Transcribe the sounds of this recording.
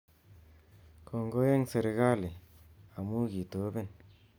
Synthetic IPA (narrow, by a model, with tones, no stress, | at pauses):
ko˨ŋɡo˦je˦ŋse˨ɾe˨ɣa˦li˨a˨mu˦ɡi˨t̪o˨˦be˦˨n